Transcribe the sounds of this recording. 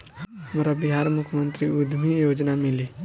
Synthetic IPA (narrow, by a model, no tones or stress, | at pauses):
mɾabɪɦaːɾmʊkʰmə̃nt̪ɾiʊd̪ʱmijoːd͡ʒnamɪli